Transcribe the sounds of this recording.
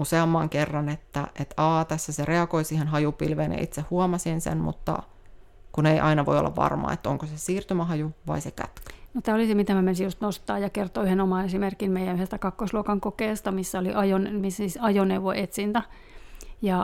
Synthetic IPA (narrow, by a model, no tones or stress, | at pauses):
useɑmːɑːŋkerːɑnet̪ːæ̰ʔet̪ɑːt̪æsːæsereɑkoisiːhenɦɑjupilʋeːnjɑ̰ʔḭt̪sehhuomɑsinsḛnmṵt̪ːɑ̰ | kuneiʔɑ̰inɑʋo̰io̰lːɑ̰ʋʋɑ̰rmɑ̰ːḛt̪ːo̰ŋkosesiːrt̪ymæɦɑjuʋɑ̰isekæ̰t̪kø̥not̪æːolisemit̪æmæmensijust̪nost̪ɑːjɑkert̪oyhenomɑːnesimerkinmeijænyhest̪ækɑkːosluokɑŋkokeːst̪ɑmisːæoliʔɑjonmisisɑjoneuʋoʔet̪sint̪æ | jɑ